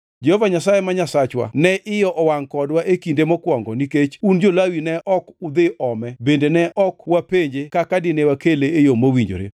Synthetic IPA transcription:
d͡ʒɛhovaɲasajemaɲasat͡ʃwa̰nɛʔɪjɔʔɔwaŋkɔdwaʔekindemɔkwɔŋɡɔniket͡ʃund͡ʒolawinɛʔɔkʊd̪ɪʔɔmɛbendenɛʔɔkwapeɲd͡ʒekakadɪnewakeleːjomowiɲd͡ʒo̰ɾḛ

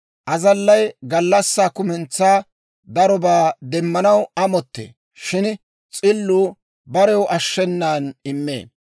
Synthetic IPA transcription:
ʔɐzɐlːɐjɡɐlːɐsːaːkʊmɛnt͡sːaː | d̪ɐɾɔbaːd̪ɛmːɐnɐwɐmɔt̪ːḛː | ʃɪn | t͡sʼɪlːuː | bɐɾɛwʔɐʃːɛnːaːnɪmːḛː

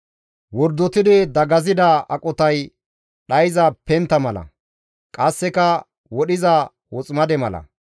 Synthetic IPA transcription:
wɔɾd̪ɔt̪ɪd̪ɪd̪ɐɡɐzɪd̪aɐkʼɔt̪ɐj | ɗɐjzɐpɛnt̪ːɐmɐlɐ̰ | kʼɐsːɛkɐ | wɔɗɪza | wɔt͡sʼmɐd̪ɛmɐlɐ̰

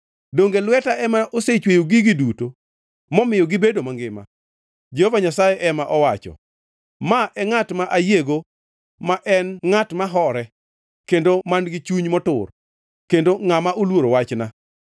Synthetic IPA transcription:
doŋɡelwɛtaʔɛmaʔoset͡ʃwejoɡɪɡɪduto | mɔmɪjɔɡɪbedomaŋɡɪma̰ | d͡ʒehovaɲasajɛʔɛmaʔɔwat͡ʃɔ̰ | maʔɛŋatmaʔajeɡo | maʔɛnŋatmaɦɔɾɛ | kendomanɡɪt͡ʃuɲmɔtʊ̰r | kendoŋamaʔolwoɾowat͡ʃna

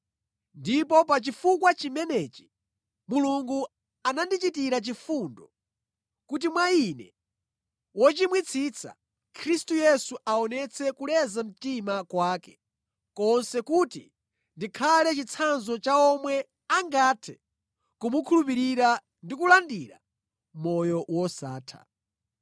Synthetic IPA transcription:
ndipɔp̬at͡ʃifukwat͡ʃimɛnɛt͡ʃi̥ | muluŋɡu | anandit͡ʃitiɾat͡ʃifuːndɔ | kut̬imwainɛ̰ | wɔt͡ʃimwit͡sʰit͡sʰa̰ | kʰɾistujɛsuʔaɔnɛt͡sʰɛkulɛzam̩timakwaːkɛ̥ | kɔnsɛkuti | ndikʰalɛt͡ʃit͡sʰanzɔt͡ʃaɔmwɛ | aŋɡatʰɛ̥ | kumukʰulup̬iɾiɾa | ndikulandiɾa̰ | mɔjɔwɔsaːtʰa̰

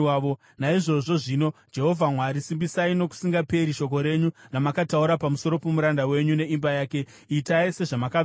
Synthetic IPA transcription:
o | naiʐo̞ʐo̞ʐiːno̞d͡ʒe̞ɦo̞vʱamwaɾisimbisaino̞ku̥siŋɡape̞ɾiʃo̞k̬o̞ɾe̞ɲunamakatauɾapamusoɾo̞pemuɾandawe̞ɲune̞imbajaːke̞ | itaise̞ʐamaka

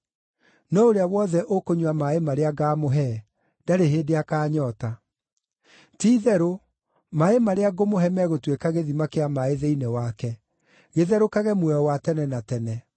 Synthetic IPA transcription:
nɔoɾeawɔðɛʔokoɲwamaemaɾeaɡaːmoɦɛ | d̥aɾeɦeːdeakaːɲɔta | tiːðɛɾo | maemaɾeaɡomoɦɛmɛɣotwekaɣeðimakeamaeðeinewakɛ | ɣeðɛɾokaɣɛmwɛɔwatɛnɛnatɛnɛ

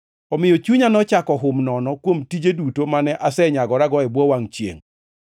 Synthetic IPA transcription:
ɔmɪjɔt͡ʃuɲanɔt͡ʃakɔɦʊmnɔnɔkwomtid͡ʒedutomanɛʔasɛɲaɡɔɾaɡɔɛbwɔwaŋt͡ʃjḛŋ

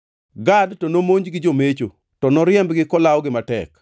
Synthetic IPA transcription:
ɡadtɔnomoɲd͡ʒɡɪd͡ʒomet͡ʃo | tɔnɔɾɪjɛmbɡɪkɔlawɡɪmatɛ̰k

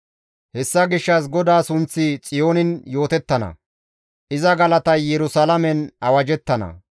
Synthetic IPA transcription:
hɛsːɐɡɪʃːɐs̬ɡɔd̪aːsʊnt͡sːɪt͡sʼɪjo̞ːnɪnjo̞ːt̪ɛt̪ːɐnɐ̰ | ʔɪzɐɡɐlɐt̪ɐjjɛɾʊsɐlɐmɛnɐwɐd͡ʒɛt̪ːɐnɐ̰

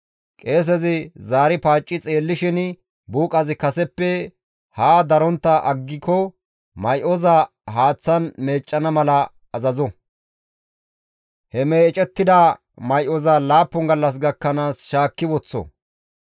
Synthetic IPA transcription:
kʼe̞ːs̬ɛzɪzaːɾɪpaːt͡ʃʼːɪt͡sʼe̞ːlːɪʃɪn | buːkʼɐzɪkɐsɛpːɛ | haːd̪ɐɾɔnt̪ːɐʔɐɡːɪkɔ | mɐjʔɔza | ɦaːt͡sːɐnme̞ːt͡ʃʼːɐnɐmɐlɐ | ɐzɐzɔ | hɛmeːt͡ʃʼɛt̪ːɪd̪aː | mɐjʔɔzɐlaːpːɔŋɡɐlːɐs̬ɡɐkːɐnaːsʃaːkːɪwɔt͡sːɔ̰

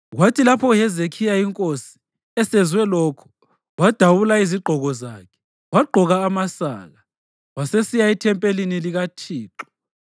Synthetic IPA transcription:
ɣwatʰilapʰɔjɛzekʰijaiŋkʼosi̥ | ɛsɛzwɛlɔkʰɔ̥ | wad̥ʱawulaiziɡ͡ǃʱɔɣɔza̰ːkʰɛ̥ | waɡ͡ǃʱɔɣaːmasa̰ːɣa | wasesijaitʰɛmpʼeliniliɣatʰiːǁɔ̥

